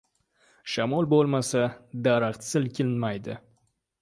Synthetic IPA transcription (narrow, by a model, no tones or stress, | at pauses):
ʃamɔlˠbolˠmasad̪aɾɑqt̪sɪlkʲʰɪlnmajd̪ɪ̰